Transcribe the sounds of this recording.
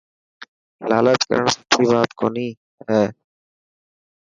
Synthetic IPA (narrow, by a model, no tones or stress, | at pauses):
la̰ːlət͡ʃ̪kə̰ɾəɳsə̥psiːbaːt̪koːniː | ɦɛː